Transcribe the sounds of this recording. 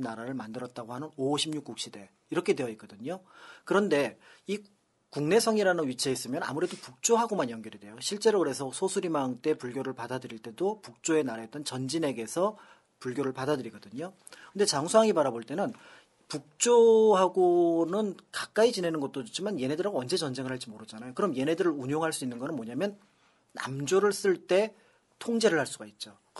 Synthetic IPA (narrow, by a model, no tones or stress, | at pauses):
naɾaɾɯɭmandɯɾʌt̚t͈aɡohanɯnoɕʰimɲuk͈uk̚ɕ͈ide̞ | iɾʌkʰe̞de̞jʌik͈ʌdɯɲokɯɾʌnde̞i | kuŋne̞sʰʌŋiɾanɯnɥit͡ɕʰeis͈ɯmjʌna̰muɾe̞dopuk̚t͡ɕ͈oɦaɡomanjʌŋɡjʌɾide̞joɕʰiɭt͡ɕ͈e̞ɾokɯɾe̞sʰʌsʰosʰuɾimant͈e̞puɭɡjoɾɯɭpadadɯɾiɭt͈e̞dopuk̚t͡ɕ͈oe̞naɾaɦet͈̚ʌnt͡ɕʌnd͡ʑine̞ɡe̞sʰʌ | puɭɡʲjoɾɯɭpadadɯɾiɡʌdɯɲo | kkʰɯnde̞t͡ɕaŋsʰuɦaŋipaɾaboɭt͈e̞nɯn | puk̚t͡ɕ͈oɦaɡonɯnkak͈̚ait͡ɕine̞nɯnɡʌt̚t͈od͡ʑot͡ɕʰimanje̞ne̞dɯɾaɡoʌnd͡ʑe̞t͡ɕʌnd͡ʑe̞ŋɯɭhaɭt͡ɕ͈imoɾɯd͡ʑanajokɯɾʌmje̞ne̞dɯɾɯɾuɲoŋɦaɭs͈uinːɯnɡʌnɯnmwʌɲamjʌnː | a̰md͡ʑoɾɯɭs͈ɯɭt͈e̞ | tʰoŋd͡ʑe̞ɾɯɭhaɭs͈uɡait̚t͡ɕ͈o